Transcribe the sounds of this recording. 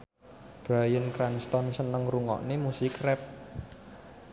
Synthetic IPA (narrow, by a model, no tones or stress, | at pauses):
b̥ɾajənkɾanst̪ɔnsənəŋruŋɔ̰ʔnemusikrɛp̚